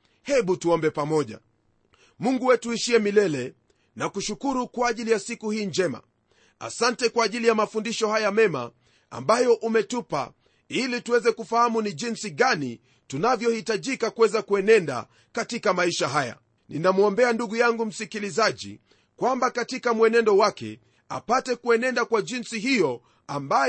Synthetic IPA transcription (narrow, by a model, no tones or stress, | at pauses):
hɛɓutuɔmbɛpamɔʄa̰ | muŋɡuwɛtuiʃiɛmilɛlɛ | nakuʃukuɾukwaːʄilijasikuhiːnd͡ʒɛma̰ | a̰santɛkwaːʄilijamafundiʃɔhajamɛma̰ | a̰mbajɔʔumɛtupa̰ | ilituwɛzɛkufahamuniʄinsiɠani | tunavjɔhitaʄikakuwɛzakuɛnɛnda̰ | katikamaiʃaɦaja̰ | ninamuɔmbɛanduɠujaŋɡum̩sikilizaʄḭ | kwambakatikamwɛnɛndɔwakɛ̰ | a̰patɛkuɛnɛndakwaʄinsiɦijɔ | amba